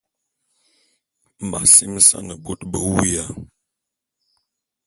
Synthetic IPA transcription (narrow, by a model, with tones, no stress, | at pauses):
m̩˨ba̰˨si˦m˦sa̰˦nə˨bo˦tbə˦˨wu˦ja˦